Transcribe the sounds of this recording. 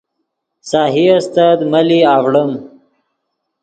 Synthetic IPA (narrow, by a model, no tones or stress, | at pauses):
saːɦiast̪ad̪maliaːwɽəm